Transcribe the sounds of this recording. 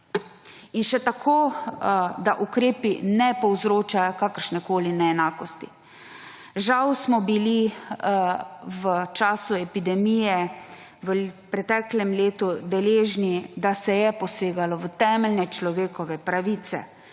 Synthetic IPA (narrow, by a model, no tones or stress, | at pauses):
inʃɛt̪akʰoː | d̪aʔukɾeːpinɛpɔwzɾoːt͡ʃajɔkaːkəɾʃnɛkoːlinɛɛnaːkɔst̪ḭ | ʒawsmɔbili | ʋət͡ʃaːsuɛpid̪ɛmiːjɛ | ʋəpɾɛt̪ɛːklɛmleːt̪ud̪ɛleːʒnid̪asɛjɛpɔseːɡalɔʋət̪ɛːmɛlnɛt͡ʃlɔʋeːkɔʋɛpɾaʋiːt̪sɛ̰